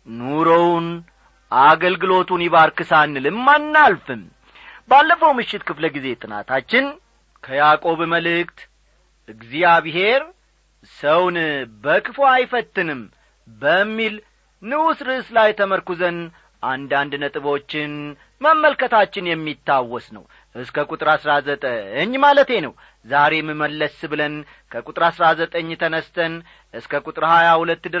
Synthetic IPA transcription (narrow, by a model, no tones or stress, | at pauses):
nuɾown | ʔaɡəlɡɨlo̞t̪uniβaɾkɨsanːɨlɨmːanːalfɨm | balːəfəwmɨʃːɪt̪kʰɨfləɡize̞t̪ʼɨna̰t̪ʰat͡ʃːɪn | kʰəjakʼo̞βməlɨkt̪ | ʔɨɡzijaβɨɦe̞ɾ | səwnbəkʰɨfoajfət̪ːɨnɨm | bəmːil | nɨwusɾɨʔslajt̪ʰəməɾkuzən | ʔand̪and̪nət̪ʼɨβo̞t͡ʃːɪn | məmːəlkʰət̪ʰat͡ʃːɪnjɛmːit̪ːawːɔsnə̰w | ʔɨskʰəkʼut̪ʼɨɾasɾazət̪ʼəɨɲːmalət̪e̞nəw | zaɾe̞mɨməlːəsbɨlən | kʰəkʼut̪ʼɨɾasɾazət̪ʼəɲːt̪ʰənəst̪ʰən | ʔɨskʰəkʼut̪ʼɨɾhajahulət̪ːd̪ɨ